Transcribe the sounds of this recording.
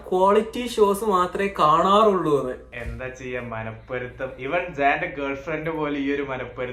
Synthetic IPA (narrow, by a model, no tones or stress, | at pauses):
kwaːɭitːiɕo̞ːsɐmaːt̪rɐekaːɳaːruɭːuɐnɨ | e̞nd̪aːt͡ɕejːaːmɐnɐpːɐɾut̪ːɐmiʋɐɳd͡ʑaːnɖɨɡɐɭfrɐndɨpo̞ːleiːo̞ɾumɐnɐpːɐɾu